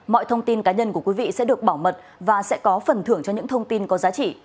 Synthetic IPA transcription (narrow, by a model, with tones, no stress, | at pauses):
mɔ̰˧˨jt̪ʰə˧wŋ͡mt̪i˧nkaː˨˦ɲə˧nku˧˩əkwi˨˦vḭ˧˨sɛ̰˧˥ɗɨ˨˩ək̚ɓaː˧˩wmə˨˩t̚ | vaː˨˩sɛ̰˧˥kɔ˨˦fə˨˩nt̪ʰɨ˧˩əŋt͡ɕɔ˧ɲɨ̰˧˥ŋt̪ʰə˧wŋ͡mt̪i˧nkɔ˨˦zaː˨˦t͡ɕḭ˧˨